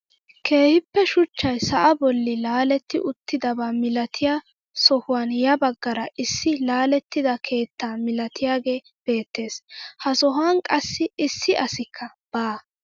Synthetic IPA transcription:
kʰe̞ːhɪpːɛʃʊt͡ʃːɐjsɐʔɐbɔlːɪlaːlɛt̪ːɪʔʊt̪ːɪd̪ɐbaːmɪlɐt̪ʰɪjaː | sɔhʊwaːnjɐbɐɡːɐɾɐʔɪsːɪlaːlɛt̪ːɪd̪ɐkʰe̞ːt̪ːaːmɪlɐt̪ʰɪjaːɡe̞ː | b̥e̞ːt̪ːe̞ːshɐsɔɦaːnkʼɐsːɪɪsːɪʔɐsɪkʰːɐ | b̥aː

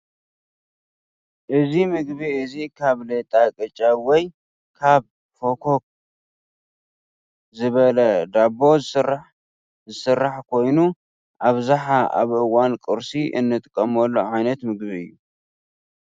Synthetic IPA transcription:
ʔɨzimɨɡβiɨzikʰaβlɐt̪ʼakʼɨt͡ʃʼawɔj | kʰaβ | fokʰok̚ | zɨβɐlɐd̪abo̞zɨsra | zɨsɨrːaħkʰo̞jnu | ʔaβzaħaʔa̰βʔɨwankʼɨɾsiʔɨ̰nːɨt̪ʼɨkʼːɐmɐlːoʕajnɐt̪mɨɡbiɨjːu

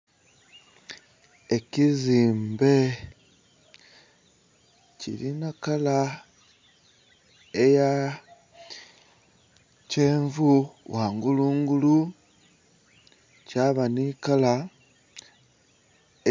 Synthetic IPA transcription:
eciziːmbe̞ | cḭɾinakala | eja | ceːɱvuwʔaːŋɡuluːŋɡulu | caβanikala

